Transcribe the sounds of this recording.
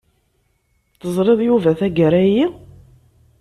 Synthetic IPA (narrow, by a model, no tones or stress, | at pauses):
θəzˤɾˤeðˤjuvæθæɡəɾæji